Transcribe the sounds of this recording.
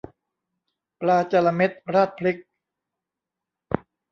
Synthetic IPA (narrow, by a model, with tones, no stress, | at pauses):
plaː˧t͡ɕa˧la˧me˦˥t̪̚ɾaː˥˩t̪̚pʰli˦˥k̚